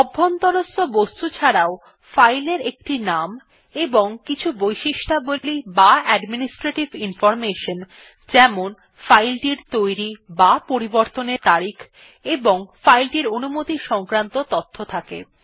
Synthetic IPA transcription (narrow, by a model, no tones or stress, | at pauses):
ɔbʱːont̪ɔɾost̪obost̪ut͡ɕʰaɾao | fajleɾek̚ʈinam | eboŋkit͡ɕʰubojʃiʃʈʰabolibaɛɖminisʈɾeʈibinfɔɾmeʃon | d͡ʑɛmon | fajlʈiɾt̪ojɾibapoɾiboɾt̪oneɾt̪aɾikʰ | eboŋfajlʈiɾonumot̪iʃɔŋkɾant̪ot̪ɔt̪ʰːot̪ʰakḛ